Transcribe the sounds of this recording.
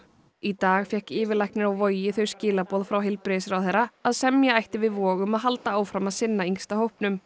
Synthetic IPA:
it̪aːɣfjɛhkɪːvɪɾlajhknɪɾawvojɪθœɥɾ̥scɪːlapɔːðfɾawɦɪlpɾɪsɾawθejɾaaðsɛmjaajht̪ɪvɪðvɔːɣʏmaðɦalt̪aaːwfɾamaðsɪnːaiŋst̪ahowhpnʏm

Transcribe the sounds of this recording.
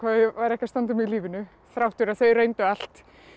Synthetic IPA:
kʰvavaɾɛhcast̪ant̪ʏmɪiliːvɪnʏ | θɾawht̪ʏɾaθejʏɾejnt̪ʏal̥t̪

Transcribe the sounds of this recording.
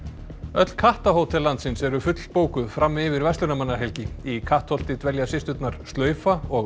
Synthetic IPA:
œt̪l̥kʰaht̪aɦoːwt̪ʰɛlːant̪sɪnsɛɾʏfʏt̪lpoːwkʏðfɾamːɪvɪɾvɛst̪ʏnamanːaɾɦɛlcɪikʰaht̪hɔl̥t̪ɪt̪vɛljasɪst̪ʏt̪naɾ̥st̪œːɥfaɔ

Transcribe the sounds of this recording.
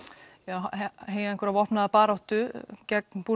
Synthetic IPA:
jaːwɦeːjɛnkʏɾavɔrpnaðapaːɾawht̪ʏcɛk̚npu

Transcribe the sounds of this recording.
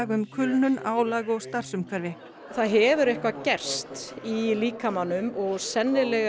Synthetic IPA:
ɣʏmkʰʏlnʏnaːwlaːɣɔɣst̪ar̥sʏmkʰaɾvɪ | θaðɦɛːvʏɾɛhkvacɛr̥st̪iliːkamanːʏmɔɣsɛnːɪlɛɣ

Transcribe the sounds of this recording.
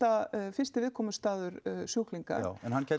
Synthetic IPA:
afɪ̥st̪ɪvɪðkʰɔːmʏst̪aːðʏɾsjuwkliŋka̰ɛnhancʰɛ

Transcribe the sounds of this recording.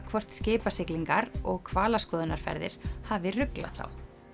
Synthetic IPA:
kʰvɔr̥t̪scɪːpasɪkliŋkaɾɔɣkʰvaːlaskɔːðɪnaɾ̥fɛ̰ɾðɪ̰ɾ̥haːvɪrʏkla̰ðθa̰w

